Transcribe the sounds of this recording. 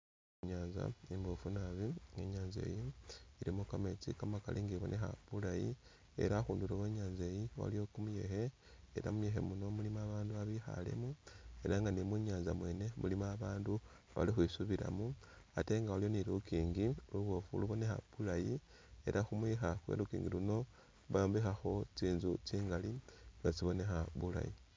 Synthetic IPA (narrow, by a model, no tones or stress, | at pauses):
ɲaːnza̰imbofunaβieɲaːnze̞̰ːjiiɾimukame̞t͡sḭkamaka̰lʔiːŋɡiβo̞̰nʔe̞xa̰βulaji | e̞̰ɾaxuːnduɾoweɲaːnze̞jiwa̰lijokumuje̞̰xe̞ | eɾa̰mujexe̞̰muno̞mulimaβaːnduaβixa̰le̞̰mue̞ɾaŋɡanimwiɲaːnzamwe̞ːne̞mulimaːβaːndu | βa̰lixwiːsuβiɾa̰muate̞ːŋɡawalijo̞niɾukiːŋɡiluβo̞fuluβo̞ne̞xa̰βulaji | e̞ɾʔaxumwixaxwḛɾukḭːŋɡiluno̞ | βaambixaxo̞t͡siːnzut͡siːŋɡaliŋɡat͡siβo̞ne̞xaβula̰ji